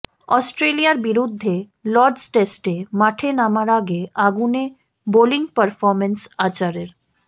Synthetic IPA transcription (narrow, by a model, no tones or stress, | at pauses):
ɔsʈɾelijaɾbiɾud̪ʱːe | lɔɾɖsʈesʈemaʈʰenamaɾaɡeaɡune | boliŋɡpəɾfɔɾmensat͡ɕaɾeɾ